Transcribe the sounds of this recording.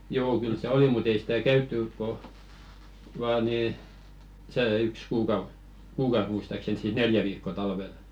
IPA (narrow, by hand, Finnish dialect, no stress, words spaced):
joː kyl se oli mut ei si̥tæ kæytːyˑk̆ ko ʋɑː niː seː yks kuːkɑus̆ kuːkɑus muistɑksen siːs neljæ ʋiːkːoɑ tɑlʋel